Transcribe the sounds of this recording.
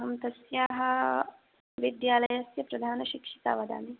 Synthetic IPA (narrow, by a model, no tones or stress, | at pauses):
ɦɐmt̪ɐsjaːɦɐ̆ | ʋid̪jaːlɐjɐsjɐpɾɐd̪ʱaːnɐʃikʂi̥t̪a̰ːʋɐd̪a̰ːni